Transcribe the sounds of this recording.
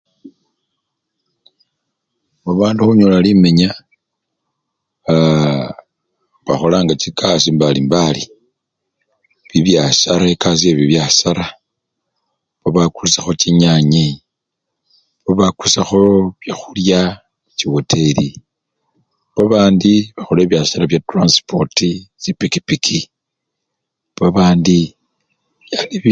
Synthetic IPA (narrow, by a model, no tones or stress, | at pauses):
βoβaːnduxuɲolalimeɲa | βaxo̞laːŋɡat͡ʃikʰasimbalimbali | βiβjasaɾaekʰas̬ieβiβjasaɾa | βoβakulusaxo̞t͡ʃiɲaɲe | βoβakusaxo̞βjaxulja | t͡ʃiwotʰe̞li | βaβaːndiβaxo̞leːβjasalaβjatranspotisipikipikʰi | βaβaːndi | jali